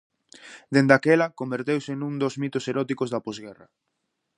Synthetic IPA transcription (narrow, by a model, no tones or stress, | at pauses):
d̪end̪akɛlɐkombeɾt̪ewsɪnũŋd̪ozmit̪oseɾɔt̪ikozðɐpɔzɣɛrɐ